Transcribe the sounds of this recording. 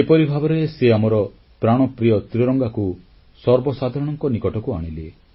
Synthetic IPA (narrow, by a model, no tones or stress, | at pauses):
epɔɾibʱabɔɾeseamɔɾɔ | pɾaɽ̃ɔpɾijɔt̪ɾiɾɔŋɡaku | sɔɾbɔsad̪ʱaɾɔɽ̃ɔŋkɔnikɔʈɔkuaɽ̃ilḛ